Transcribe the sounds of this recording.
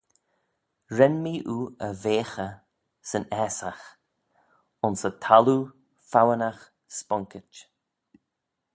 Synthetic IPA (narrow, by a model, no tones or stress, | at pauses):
ɹɛnmiːʔuːəveːxə | sənɛːsax | ʊnsətʰalu | fawənax | spɔŋkɪt͡ʃ